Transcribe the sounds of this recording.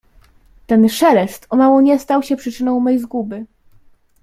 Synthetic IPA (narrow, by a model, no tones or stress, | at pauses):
t̪ɛnʂɛlɛst̪ɔmawɔɲɛst̪awɕɛpʂɘt͡ʂɘnɔ̃w̃mɛjzɡubɘ